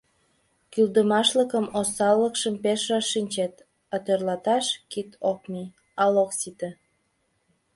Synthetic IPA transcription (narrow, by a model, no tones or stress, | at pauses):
kyld̪əmɑʃləkəmosɑlːəkʃəmpeʃrɑʃːinʲt͡ɕet̪ | ət̪ørlɑt̪ɑʃkit̪ʰok̚mi | ɑloksit̪ə